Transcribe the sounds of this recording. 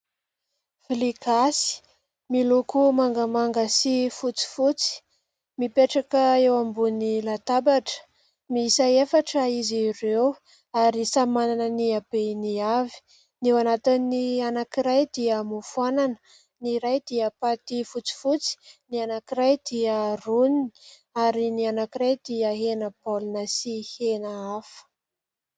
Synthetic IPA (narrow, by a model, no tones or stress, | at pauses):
flikasi̥ | milukumaŋɡəmaŋɡəsifut͡si̥fut͡si̥ | mipeʈ͡ʂakəewambunilat̪abaʈ͡ʂə̥ | misaefaʈ͡ʂəizirew | aɾisamananəniabeniavi̥ | newanat̪inianakiɾajd̪iəmufuanan | niɾajd̪iəpat̪ifut͡si̥fut͡si̥nianakiɾajd̪iəruni̥ | aɾinianakiɾajd̪̥iəɦenəpolunəsihenaafə̥